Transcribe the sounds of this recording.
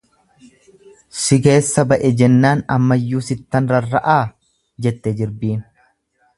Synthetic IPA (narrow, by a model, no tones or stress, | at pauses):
sɪke̞ːsːɐbɐʔɛd͡ʒɛnːaːnɐmːɐjːuːsɪt̪ːɐnɾɐrːɐʔaː | d͡ʒɛt̪ːɛd͡ʒɪɾbiːn